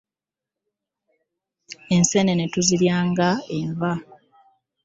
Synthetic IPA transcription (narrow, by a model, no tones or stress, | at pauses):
e̞nse̞ne̞ne̞tuziljaːŋɡaeɱva